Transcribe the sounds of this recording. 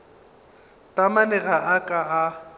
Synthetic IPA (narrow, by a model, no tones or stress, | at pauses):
tʼamanɛɣaʔakʼaa